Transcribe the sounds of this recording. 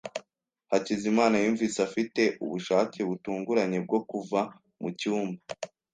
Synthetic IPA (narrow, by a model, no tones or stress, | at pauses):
hacizimaːnajuːɱviːsafite̞ʔṵβuʃaːceβutuːŋɡuɾaɲe̞b̚ɡo̞kuva | mucuːmba